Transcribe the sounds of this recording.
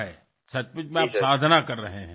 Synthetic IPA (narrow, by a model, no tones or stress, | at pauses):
ɦɛː | sɐt͡ʃpɪt͡ʃmẽaːpsaːd̪ʱnakɐɾːɐɦeɦɛ̃ː